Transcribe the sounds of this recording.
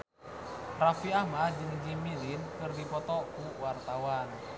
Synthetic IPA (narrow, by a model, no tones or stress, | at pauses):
rafiamad͡ʒɨŋd͡ʒimilinkɨrdipɔt̪ɔkuwart̪awan